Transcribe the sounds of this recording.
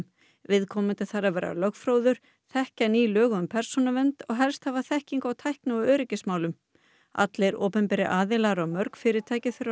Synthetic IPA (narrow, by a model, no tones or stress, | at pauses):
m | vɪðkʰɔːmɪnt̪ɪθaɾavɛːɾa̰lœkfɾoːwðʏɾ̥ | θɛhcaniːlœːɣʏʏmpʰɛɾ̥sɔnavɛnt̪ɔɣɦɛlst̪havaθɛhciŋkawt̪ʰajhknʏɔœːɾɪcɪsmaːwlʏm | a̰t̪lejɾɔːpɛmpɛɾɪʔaːðɪlaɾawmœɾkfɪːɾɪɾt̪ʰaːjcɪθɪɾ